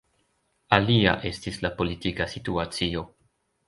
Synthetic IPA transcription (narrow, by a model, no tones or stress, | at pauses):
alia̰ʔe̞stislapo̞litikasituat͡sio̞